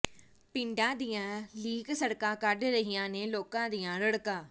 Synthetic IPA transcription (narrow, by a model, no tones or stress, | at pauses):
pɪɳɖãːd̪ijãːliːksəɽkãːkəɖɾəɦijãːneːloːkãːd̪ijãːɾəɽkãː